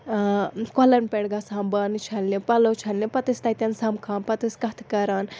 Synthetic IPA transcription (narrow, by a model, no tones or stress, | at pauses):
kɔlɐnpʲeɽɡaːsaːmbaːnɨt͡ʃʰɐnlipɐlot͡ʃʰɐnlipɐt̪ɨsʲt̪ɐt̪ʲɐnsɐmkʰaːnpɐt̪ɨsʲkɐt̪ʰkɐɾaːn